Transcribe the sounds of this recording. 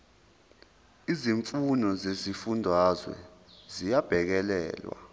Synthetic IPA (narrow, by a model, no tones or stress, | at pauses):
iziɱfunɔzezifundʱwazwɛ̰zijab̥ʱɛk̬ɛlɛ̰ːlwa̰